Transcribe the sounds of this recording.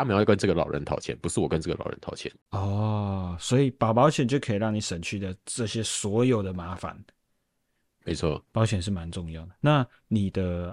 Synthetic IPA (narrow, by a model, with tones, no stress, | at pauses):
a˥m˨˧jkə˦nt͡sɤ˥˩ɡə˩˨lɑ̰˨˩ʊɻə̰˧˦nt̪ʰɑ˨˩ʊt͡ɕʰjɛ̰˧˦npu˧˦ʂɻ̩˥˩wɔ˨˩kə˦nʈ͡ʂɤ˥˩ɡə˨lɑ˨˩ʊɻə̰˦nt̪ʰɑ˨˥ʊt͡ɕʰjɛ̰˧˦nɔ˥˨˩swɔ˧˦˥i˨˩pɑ˨˩ʊpɑ˧˥ʊt͡ɕʰjɛ˨˩nt͡ɕjo˥˩ʊkʰə˧˥i˨˩ɻɑ˥˩ŋni˨˩ʂə˨˩nt͡ɕʰy˥d̪ə˨ʈ͡ʂɤ˥˩ɕjɛ˦swɔ˧˥jo˨˩ʊd̪ə˩ma˧˥˦fa̰˨˦n | me˨˧˦ɪt͡sʰwɔ˥˩pɑ˧˥ʊt͡ɕʰjɛ˨˩nʂ̬ɻ̩˥˩ma˧˦nʈ͡ʂʊ˥˧ŋjɑ˥˩ʊd̪ə˩na˥˨ | ni˨˩d̪ə˦